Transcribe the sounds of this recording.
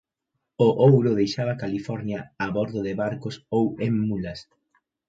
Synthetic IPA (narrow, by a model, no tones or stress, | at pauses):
ʊʔowɾʊðejʃaβɐkalifɔɾnjaaβɔɾðʊðɪβaɾkʊsoweŋmulɐs